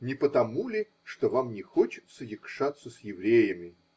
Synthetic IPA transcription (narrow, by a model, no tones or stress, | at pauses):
nʲɪpət̪ɐmulʲɪ | ʂt̪ovamnʲɪxot͡ɕɪ̥t̪səjɪkʂat̪sːəsʲjɪvɾʲejəmʲɪ